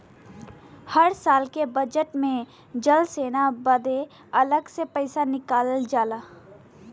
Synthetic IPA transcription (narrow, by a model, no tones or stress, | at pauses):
hɐɾsaːlkebɐd͡ʒəʈmẽ | d͡ʒəlseːnabɐd̪e | ɐləɡsepɐɪsanɪkaːlld͡ʒaːlaː